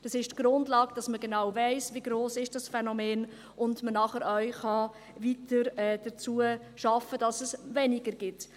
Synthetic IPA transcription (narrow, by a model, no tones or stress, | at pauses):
d̥ɑsɪʃtɡ̥ɾʊndlɑːɡd̥ɑsməɡenɑwvɛɪsviɡɾoːsɪʃd̥ɑsfɛnɔmeːn | ʔʊndmənɑχəɾœɥχɑ | vitəɾɛːd̥ət͡suə | ʃɑfəd̥ɑsɛsvɛnɪɡəɾɡ̥ɪt